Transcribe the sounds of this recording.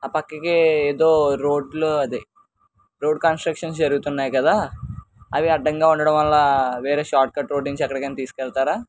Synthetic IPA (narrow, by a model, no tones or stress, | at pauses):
aːpɐkːɐkeeːd̪oːɾo̞ːɖluɐd̪e | ɾo̞ːɖkaːnsʈɾɐkʂɐns̬d͡ʒɐɾuɡut̪unːaːjkɐd̪aː | ɐʋiɐɖːɐŋɡaːuɳɖɐɽɐ̃mʋɐlːaːʋeːɾeːʃaːɾʈ̚kɐʈɾoːɖniɲt͡ʃiɐkːɐɽɐkɐnit̪iːsu̥kɛlt̪aːɾaː